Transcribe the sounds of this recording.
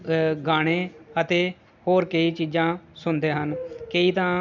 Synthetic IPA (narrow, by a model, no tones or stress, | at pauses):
ɡaːɽ̃eːət̪eː | hoːɾkəiːt͡ʃiːzãːsʊnd̪eːɦənkəiːt̪ãː